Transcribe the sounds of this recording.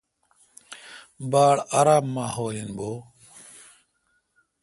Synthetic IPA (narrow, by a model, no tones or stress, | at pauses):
baːɭaɾaːmːãːhoːlinboː